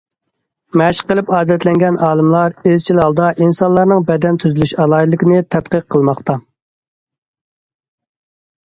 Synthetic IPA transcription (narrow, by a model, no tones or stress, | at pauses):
mɛʃqəlˠɨpɑːd̪ɛt̪ʰlɛŋɡʲɛnʔɑːlˠɨmlˠɑɾezt͡ʃʰilɑlˠd̪ɑʔinsɑnlˠɑɾnɨŋbɛd̪ɛnt̪ʰyzylyʃɑlˠɑjilˠːɨkʲɪnɪt̪ʰɛt̪qəqʰːəlˠmɑχt̪ɑ